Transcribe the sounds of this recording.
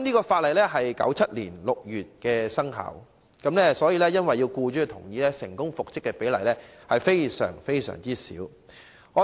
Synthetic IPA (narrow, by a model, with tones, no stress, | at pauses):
mniː˥kɔː˧faː˧t̚lɐ˨jlɛː˥ɦɐ˨jkɐ̰˨˥wt͡sʰɐ˥t̚liː˨˩nlʊ˨k̚jyː˨t̚kɛː˧sɐ˥ŋɦɐ̰ː˨˩w | kɐ˨˥mlɛː˥sɔː˨˥jiː˧lɛː˥jɐ˥nwɐ˨jːiː˧wkuː˧t͡ʃyː˥˧t̪ʰʊ̰˨˩ŋjiː˨˧lɛː˥sɪ̰˨˩ŋkʊ˥ŋfʊ˨k̚t͡sɪ˥kːɛ˧pe˨˥jlɐ˨˩jlɛː˥hɐ˨jfe˥jsœ̰ː˨˩ŋfe˥jsœ̰ː˨˩ŋt͡siː˥sḭː˨˥w | ŋɔː˨˧